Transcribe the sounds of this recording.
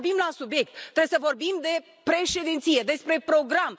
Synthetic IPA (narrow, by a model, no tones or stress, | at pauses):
bimlasubje̞k̚t̪ːɾejesəvo̞rbimd̪e̞ | pɾe̞ʃe̞d̪int̪sije̞d̪e̞spɾe̞pɾo̞ɡɾam